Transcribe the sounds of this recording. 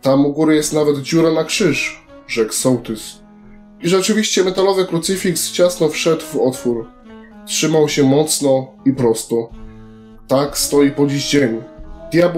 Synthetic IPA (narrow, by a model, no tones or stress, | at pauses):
t̪amuɡuɾɘjɛst̪navɛd̪d͡ʑuɾɛnakʂɘʂ | ʐɛksɔwt̪ɘs | iʐɛt͡ʂɘvʲiɕt͡ɕɛmɛt̪alɔvɘkɾut̪sɘfʲikst͡ɕasnɔfʂɛd̪vɔt̪fuɾ | tʂɘmawɕɛmɔt̪snɔ | ipɾɔst̪ɔ | t̪akst̪ɔjipɔd͡ʑiʑd͡ʑeɲud̪ʲjab